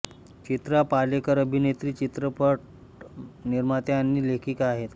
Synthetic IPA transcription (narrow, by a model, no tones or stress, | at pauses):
t͡ɕit̪ɾapalekəɾəbʱinet̪ɾiːt͡ɕit̪ɾəpəʈ̚ | niɾmat̪eanːiːlekʰiːkaɦet̪